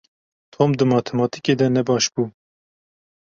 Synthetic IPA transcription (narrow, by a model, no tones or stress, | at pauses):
t̪ʰoːmd̪ɨmɑːt̪ʰɛmɑːt̪iked̪ɛnɛbɑːʃbuː